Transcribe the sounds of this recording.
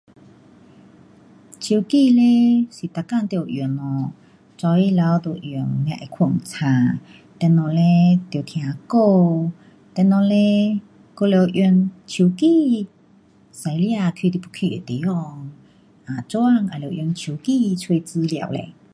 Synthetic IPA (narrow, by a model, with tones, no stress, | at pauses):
t͡ɕʰi˧˨ki˧le˧˦si˨˩t̪a˨˧ka˥˧˨ŋt̪i˧˨˩wʔju˨˩nɔ˨˩ | t͡sɔ˧i˦˧˦la˧wd̪o˨ʔʔju˨˩ŋljã̰˧ʔe˧˨kʰu˧˩ŋt͡sʰã˨˩ | t̪ɛ˧˨nɔ̃˨˩le˧˦t̪jt̪ʰj̃ã˨˩ko˥˧ | t̪ɛ˧˨nɔ̃˧le˧ | ko˧le˧˨wʔju˧nt͡ɕʰu˨˧˩ki˧˨ | sa˧jlja˧˨kʰi˧t̪i˧pʰu˧˨kʰi˧˨ḛ˨t̪e˨˦ɔ˧ŋ | ʔa˨t͡so˦a˧˨ŋa˨le˧˨ʔjnt͡ɕʰiu˧˩ki˥˧˨t͡sʰwe˧t͡sɨ˧lja̰˧˨wlḛ˧˨